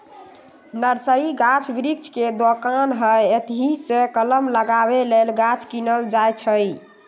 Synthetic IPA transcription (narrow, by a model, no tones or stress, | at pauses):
nəɾsəɾiɡat͡ʃʰbiɾik̚t͡ʃʰked̪okanɦəjet̪ɦisekələmləɡabelelɡat͡ʃʰkinəld͡ʒajt͡ʃʰəj